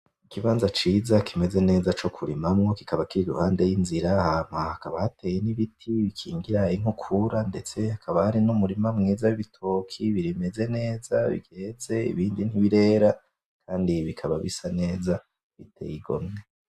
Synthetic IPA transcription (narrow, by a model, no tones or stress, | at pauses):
ikiβaːnzat͡ʃiːzakʰime̞ze̞ne̞ːzat͡ʃo̞kʰuɾimamŋo̞ki̥kaβakiɾidṵhaːnde̞jinziɾaham̥ahakaβahate̞ːjeniβitʰiβikʰḭːŋɡiɾaiŋ̥ukʰuɾande̞t͡se̞hakʰaβahaɾinumuɾimamŋiːzawiβitʰokʰiβiɾime̞ze̞ne̞ːzaβḭɡeze̞ḭβiːndinhiβiɾe̞ːɾa | kʰaːndiβikʰaβaβḭsane̞ːza | βitʰḛːjiɡo̞̰mne